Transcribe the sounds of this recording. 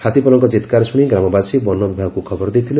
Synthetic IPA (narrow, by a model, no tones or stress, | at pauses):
hʰat̪ipɔlɔŋkɔt͡ʃit̪kaɾɔsuɽ̃iɡɾamɔbasibɔnːɔbibʱaɡɔkukʰɔbɔɾɔd̪it̪ʰile